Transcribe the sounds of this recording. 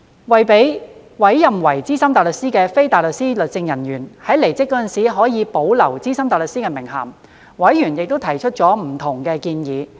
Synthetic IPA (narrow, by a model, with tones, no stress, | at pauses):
wɐ˨jpe˨˥j | wɐ˨˥jːɐ˨mwɐ˨˩jt͡siː˥sɐ˥mt̪aː˨˩lɵ˨k̚siː˥kɛː˧fe˥jt̪aː˨jlɵ˨k̚siː˥lɵ˨t̚t͡sɪ˧ŋjɐ˨˩njyː˨˩nhɐ˨˥jle˨˩jt͡sɪ˥kːɔː˨˧˥t͡sɐ˨nsiː˨˥ɦɔː˨˥jiː˨˧po˨˥wlɐ˨˩wt͡siː˥sɐ˥mt̪aː˨jlɵ˨k̚siː˥kɛː˧mɪ˨˩ŋɦɐ̰ː˨˩m | wɐ˨˥jːyː˨˩njɪ˨k̚t̪o˥wt̪ʰɐ˨˩jt͡ʃʰt̚t͡ʃɔː˨˥m̩˨˩t̪ʰʊ˨˩ŋkɛː˧kiː˧njiː˨˦